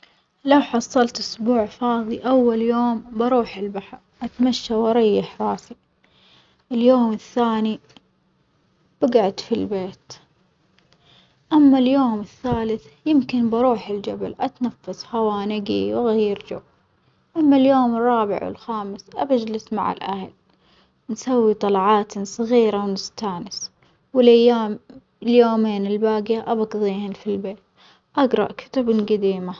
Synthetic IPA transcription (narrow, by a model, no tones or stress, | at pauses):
lawħɑsˤːɑlt̪ʔʊsbuːʕfɑːðˤiʔawːaljoːmbɑɾˤuːħɪlbaħɾˤʔat̪maʃːawɪɾˤɑjːɪħɾˤɑːsi | ʔɪljoːmɪθːaːni | b̥aɡaʕʊd̪filbeːt̪ | ʔamːaljoːmɪθːaːlɪθ | jɪmkɪnbɑɾuːħɪld͡ʒabalʔat̪nafːashawaːnɪɡḭwɪɣajːɾd͡ʒa̰ | ʔamːaljoːmɪrˤːɑːbɪ̰ʕwɪ̰lxaːmɪsʔabad͡ʒlɪsma̰ʕɪ̰lʔahal | nsawːit̪ˤɑlɑʕɑːt̪sˤɑɣiːɾawnɪst̪aːnɪs | wɪlajaːm | ljoːmeːnɪlbaːɡjaʔabɑɡðˤiːhɪnfilbeːt̪ | ʔaɡɾˤɑ̰ʔkʰʊ̥t̪abnɡad̪iːma